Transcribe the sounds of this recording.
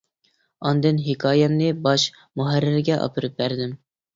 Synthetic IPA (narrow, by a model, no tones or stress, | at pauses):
ɑnd̪ɨnɦɪkʰɑːjɛnnɨbɑʃ | muɦæɾːɪɾɡʲɛʔɑ̰pʰɨɾɨp̚bæɾd̪ɪm